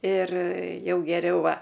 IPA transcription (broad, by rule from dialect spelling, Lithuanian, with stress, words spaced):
ɪr ˈjɛʊ ɡʲɛˈrʲɛʊ ˈʋɐ